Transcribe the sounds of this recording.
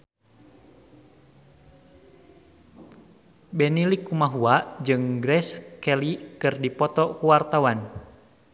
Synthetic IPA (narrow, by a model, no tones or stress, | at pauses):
bɛnilikumaɦuad͡ʒɨŋɡɾɛskɛlikɨrdipɔt̪ɔkuwart̪awan